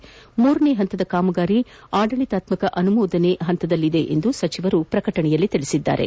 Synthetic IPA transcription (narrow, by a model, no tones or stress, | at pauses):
muːɾɐneɦɐnt̪ɐd̪ɐkaːmɐɡaːɾi | aːɖɐɭit̪aːt̪mɐkɐʔɐnumuːd̪ɐneɦɐnt̪ɐd̪ɐlːid̪e̞ʔḛnd̪usɐt͡ʃiʋɐɾupɾɐkɐʈɐɳɛjɐlːit̪iɭisid̪ːa̰ːɾe̞̰